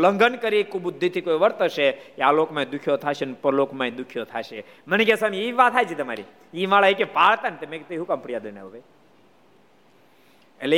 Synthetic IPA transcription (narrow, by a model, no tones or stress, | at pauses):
ləŋɡənkəɾikubud̪ʱːit̪ʰikojʋəɾt̪əʃekealokmãĩd̪ukʰjot̪ʰaʃenpəɾlokmãĩd̪ukʰjot̪ʰaʃe | mənekesamiiʋat̪ʰajt͡ʃʰit̪əma̰ɾḭ | imaɭaekepaɭt̪anet̪emeket̪iɦũkampɽijad̪əna̰ʋəʋe | ḛle